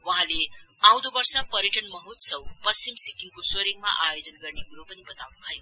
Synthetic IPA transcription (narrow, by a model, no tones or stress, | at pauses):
wʌɦãle | aw̃d̪obʌrsʌpʌɾjeʈʌnmʌɦot̪sʌwpʌst͡ɕimsikiŋkosoɾiŋma̰ʔajod͡zʌnɡʌrneɦuɾopʌnibʌt̪awnubʰʱʌjo